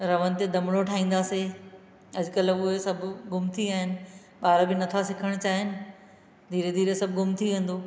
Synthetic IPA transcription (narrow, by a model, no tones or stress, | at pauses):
ɾɐʋənɪ̆t̪ed̪ɐmɽ̃oʈʰaːɦĩːn̆d̪aːse | ɐd͡ʑʊkəlʊɦesɐbʱʊɡʊmt̪ʰiaːɦɪnɪ̆ | ɓaːɾbɪnɐt̪ʰasɪkʰəɽ̃t͡ɕaːɦɪnɪ̆ | d̪ʱiːɾed̪ʱiːɾesɐbʱɪɡʊmt̪ʰiʋẽːn̆d̪oː